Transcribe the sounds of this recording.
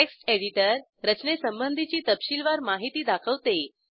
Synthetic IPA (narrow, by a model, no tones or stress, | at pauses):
eksʈeɽiʈəɾ | ɾət͡ɕnesəmbənd̪ʱit͡ɕiːt̪əpɕilʋaɾmaɦit̪iːd̪akʰəʋt̪e